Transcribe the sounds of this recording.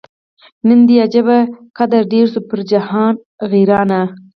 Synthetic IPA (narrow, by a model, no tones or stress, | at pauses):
nənd̪ijad͡ʒabakad̪aɾɖeɾsupəɾd͡ʒahɑn | ɣiɾɑna